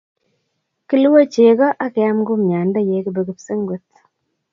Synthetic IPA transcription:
kɪ˦lu˦wa˦t͡ʃe˨ɡɔ˦ʔa˦kɛ˨a˦mɡʊ˦m˨ɲa˨nda˦je˨˦kɪ˨bɛ˨ɡɪ˨psɪ˦ŋɡu˦t̪̚

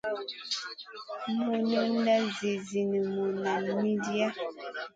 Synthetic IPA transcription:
mu˨nə˦n̩˦da˦zi˨zi˨ni˨mu˨na˨mi˦di˦a˦

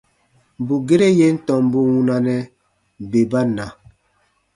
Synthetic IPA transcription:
m˨bu˨ɡe˦ɾe˦je˦n̩˦tɔ̃˨m˦bu˦wu˦na˦nɛ˦ | be˨ba˦na˨

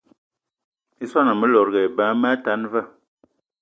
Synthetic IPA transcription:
i˦swa˦na˨mə˦lɔ˨ɾɣɛ˨ba˨˦ma˦ta˨˦nvə˦˨

